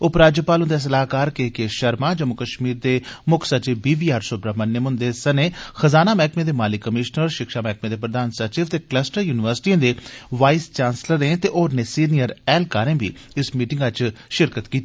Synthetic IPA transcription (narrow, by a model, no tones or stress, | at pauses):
ʊpɾaːd͡ʒjəpaːlʊ̃nd̪es̬əlaːkaːɾkeːkeːʃəɾmaːd͡ʒəmʊkəʃmiːɾd̪eːmʊkʰsət͡ʃiːbiːbiːaːɾsʊbɾaːmənːeːmʊ̃nd̪eːsəneːxəzaːnaːmɛːkmẽːd̪eːmaːlɪkːəmɪʃnəɾʃɪkʃaːmɛːkmẽːd̪eːpɾəd̪aːnsət͡ʃiːʋt̪eːkləsʈəɾjuːnɪʋəɾsʈiãːd̪eːʋaːist͡ʃaːnsləɾẽːt̪eːʔoːɾneːsiːnijəɾɛːlkaːɾẽːbḭːɪsmiːʈɪ̃ŋɡət͡ʃʃɪɾkət̪kiːt̪i